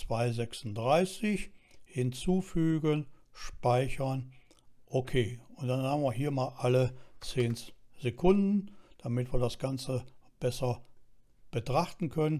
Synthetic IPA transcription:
t͡sv̥aɪzɛksn̩dʁaɪsɪçhɪnt͡suːfyːɡənʃpaɪçɐn | ʔokʰeːʊntd̥anhaːbn̩viːɐɦiːɐmaːlʔalət͡seːnz̥ekʰʊndn̩d̥amɪtv̥iːɐdasɡ̥ant͡səb̥ɛsɐ | b̥ətʁ̥aχtn̩kʰœnən

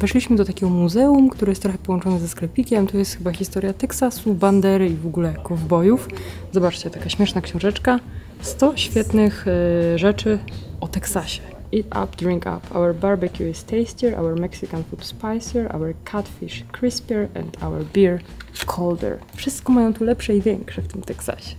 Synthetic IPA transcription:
vɛʂlʲiɕmɘd̪ɔt̪akʲɛɡɔmuzɛumkt̪uɾɘjɛst̪ːɾɔxɛpɔwɔnt͡ʂɔnɛzɛsklɛpʲikʲɛmt̪ɔjɛst̪xɘbaxʲist̪ɔɾjat̪ɛksasuband̪ɛɾɘivɔɡulɛkɔvbɔjuf | zɔbat͡ʂt͡ɕɛt̪akaɕmʲjɛʂnakɕɔ̃w̃ʐɛt͡ʂka | st̪ɔɕfʲjɛt̪nɘxʐɛt͡ʂɘɔt̪ɛksaɕɛ̥ | it̪a̰pd̪ɾiŋka̰pʰa̰wɛɾbaɾbɛkʲjuist̪ɛjst͡ɕɛɾʔa̰wɛɾmɛksɨkanfut̪spajsɛɾʔa̰wɛɾkʰat̪fʲiʂkɾispʲɛɾɛ̰nt̪ʰa̰wɛ̰ɾbʲiɹ | kʰɔld̪ɛ̰ɾfʂɨst̪kɔmajɔ̃w̃t̪ulɛpʂɛivʲjɛŋkʂɛft̪ɘmt̪ɛksa̰ɕɛ̥

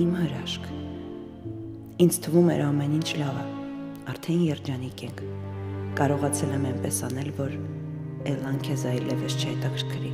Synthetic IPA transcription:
imhəɾɑʃkʰ | ind͡zt̪ʰəvumɛ̰ɾɑmɛnint͡ʃʰlɑvə | ɑɾt̪ʰɛnjɛɾd͡ʒɑnikɛŋkʰkɑɾɔʁɑt͡sʰɛlɛmɛjnpɛsɑn̪ɛlvɔɾ | ɛlɑŋkʰɛzɑilɛvɛʃt͡ʃʰəhɛt̪ɑkʰəɾkʰɾi

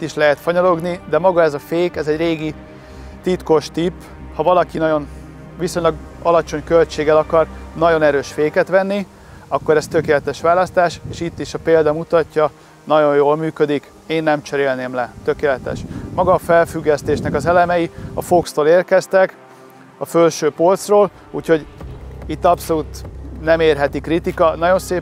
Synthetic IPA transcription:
it̪ːiʃlɛɦɛt̪fɒɲɒlo̞ɡnid̪ɛmɒɡɒɛzɒfeːkɛzɛɟreːɡi | t̪it̪ko̞ʃt̪ipː | hɒvɒlɒkinɒjo̞n | ʋiso̞ɲlɒɡ | ɒlɒt͡ʃo̞ɲkølt͡ʃeːɡɛlɒkɒrnɒɟo̞nɛɾøːʃfeːkɛt̪ʋɛnːi | ɒkːo̞ɾɛst̪økeːlɛt̪ɛʃʋaːlɒst̪aːʃeːʃit̪ːiʃɒpeːld̪ɒmut̪ɒcːɒ | nɒɟo̞jjoːlmyːkø̞d̪ik | eːnːɛmt͡ʃɛɾeːlneːmlɛt̪ø̞keːlɛt̪ɛ̰ʃmɒɡɒːfɛlfyɡːɛst̪eːʃnɛkɒzɛlɛmɛjiɒfokst̪oːleːrkɛst̪ɛk | ɒfølʃøːpolt̪sroːl | ṵːcho̞ɟit̪ːɒpso̞luːt̪nɛmeːrɦɛt̪ikrit̪ikɒnɒɟo̞nseː

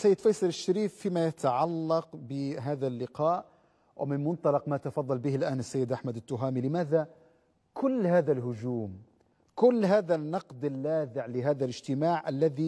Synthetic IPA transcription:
sajːɪd̪fɑjsˤɑlɪʃːaɾiːfːiːmajat̪aʕalːɑqbɪɦaːðalːɪqɑːʔ | wmɪnmʊnt̪ˤɑlɑqmat̪ɑfɑðˤːɑlbɪhɪlʔaːnasːajːɪd̪ʔaħmad̪ɪt̪ːʊɦaːmilɪmaːða | kʊlːhaːðalɦʊd͡ʒuːm | kʊlːɦaːðanːɑqd̪ɪlːaːðɪʕlɪɦaːðalɪd͡ʒt̪ɪmaːʕʔalːaði

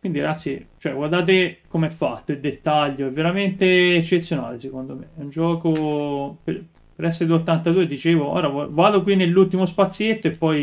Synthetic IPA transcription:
kwind̪iɾ̰ɡat̪sːjet͡ʃoɛɡward̪aːt̪̬ekomeɛfːat̪ːoild̪et̪ːaʎːoɛvːeɾament̪eːt͡ʃːet̪sːjona̰ːlesekond̪omeɛund͡ʒɔːkoper | peɾɛsːeɾed̪ot̪ːant̪ad̪uːed̪it͡ʃeːvoo̰ːɾavvaːd̪okwinːelːult̪ːimospat̪sːjet̪ːoepːɔj

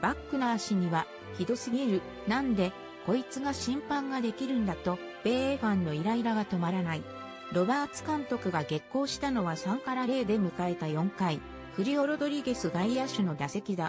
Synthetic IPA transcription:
b̥akːɯ̟naːɕiɲ̟iβa | çid̪o̞sɨɡʲiɾɯ̟ | nãnd̪e̞ | ko̞it͡sɨɡaɕĩmpãŋɡad̪e̞kʲiɾɯ̟̃nd̪at̪o̞ | b̥e̞ːeɸãnːo̞iɾaiɾaɡat̪o̞maɾanai | ɾo̞baːt͡sɨ̥kãnt̪o̞kɯ̟ɡaɡe̞kːo̞ːɕi̥t̪ano̞βasãŋkaɾaɾe̞ːd̪e̞mɯ̟kae̞t̪ajõ̞ŋkai | ɸɯ̟ɾʲio̞ɾo̞d̪o̞ɾʲiɡe̞sɨɡaiaɕɨno̞d̪ase̞kʲid̪a

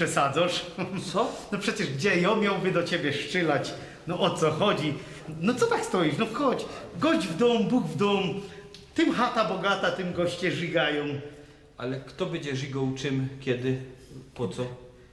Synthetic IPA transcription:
ʂɛsad̪zɔʂɔnɔpʂɛt͡ɕɛʐɡd͡ʑɛjɔmʲjawbɘd̪ɔt͡ɕebʲjɛʂt͡ʂɘlat͡ɕ | nɔʔɔt̪sɔxɔd͡ʑi | nɔt̪sɔt̪akst̪ɔiʂnɔfxɔt͡ɕɡɔʑd͡ʑvd̪ɔmbuɡvd̪ɔm | t̪ɪmxat̪abɔɡat̪at̪ɨmɡɔɕt͡ɕɛʐiɡajɔ̃w̃ | alɛkt̪ɔbɛd͡ʑɛʐiɡɔwt͡ʂɪmkʲɛd̪ɪpɔt̪sɔ

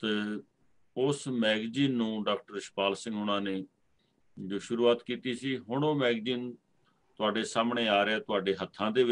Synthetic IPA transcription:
t̪e | ʊsmɛːɡziːnːũːɖaːkʈəɾɪʃpaːlsɪ̃ŋɡʊnãːneː | d͡ʒoːʃʊɾuːaːt̪kiːt̪iːsiːɦʊɳõːmɛːɡziːn | t̪ʊaːɖeːsaːmɳeːaːɾɪɛːt̪ʊaːɖeːɦət̪ʰːãːd̪eːʋɪ

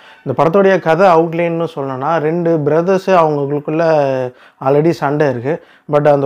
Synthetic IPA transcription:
ɪnd̪ɐpɐɽɐt̪ːoɽɐjɐkɐðɐɐʊʈlennɯ̃sɔlːɐnɐnːaːɾɛɳɖɯbɾɐðɐsɯɐʋɐŋɡɐkɐɭɯkːɯɭːɐ | aːɾɐɽisɐɳɖɐɪɾɯkːɯ | bɐʈ̬ːɐnd̪

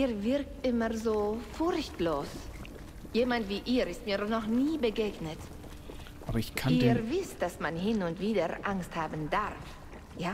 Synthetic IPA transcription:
ʔiːvɪʁk̚tʔɪmɐzoːfʊɾçtloːs | jeːmantv̥iːʔiːɾɪst̚miːɐnɔχniːbəɡeːɡnət | ʔʔaːbɐɪçkʰaniːvɪst̚d̥asmanɦɪnʊntv̥iːdəʔaŋsthaːbn̩daʁf | jaː

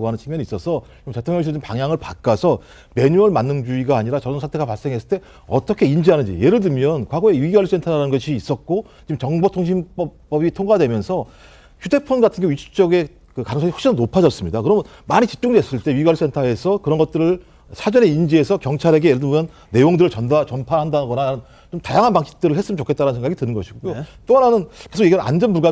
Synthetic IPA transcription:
ɡoɦanɯnt͡ɕʰimjʌnis͈ʌsʰʌ | imte̞tʰoŋɲʌŋɕ̬ʰiompaŋjaŋɯɭpak͈asʰʌ | me̞ɲuʌɭmanːɯnd͡ʑuiɡaːɲiɾat͡ɕʌɾʌnsʰatʰeɡapaɭs͈e̞ŋɦe̞s͈ɯɭt͈e̞ | ʌt͈ʌkʰe̞ind͡ʑiɦanɯɲd͡ʑḭje̞ɾɯɭdɯmjʌnkwaɡoe̞jiɡiɡwalusʰentʰaɾɾanɯnɡʌɕʰiːs͈ʌk̚k͈o | t͡ɕimt͡ɕʌŋbotʰoŋɕʰimpʌp͈ʌbitʰoŋɡadwe̞mjʌnsʰʌ | çude̞pʰʌnɡatʰɯnɡe̞ɥit͡ɕʰu̥t͡ɕ͈ʌɡe̞ | kɯkanɯŋsʰʌihokɕʰinnopʰad͡ʑʌs͈ɯmɲidakɯɾʌmjʌnmaɲit͡ɕi̥p̚t͡ɕ͈uŋdwess͈ɯɭt͈e̞ɥiiɡwaɭiusʰe̞ntʰae̞sʰʌkɯɾʌnɡʌt̚t͈ɯɾɯɭ | sʰad͡ʑʌne̞ind͡ʑie̞sʰʌkjʌŋt͡ɕʰaɾe̞ɡejeɾɯɭdɯmjʌnːe̞joŋdɯɾɯɭt͡ɕʌndat͡ɕʌnpʰahandanɡʌnanɯn | t͡ɕomtajaŋɦanpaŋɕʰi̥p̚t͈ɯɾɯɭhes͈ɯmnt͡ɕokʰet͈aɾanɯnsʰeŋɡaɡitɯnɯnɡʌɕʰiɡojot͈oananɯnke̞sʰokɡjeɡinɯa̰nd͡ʑʌnpuɭɡa

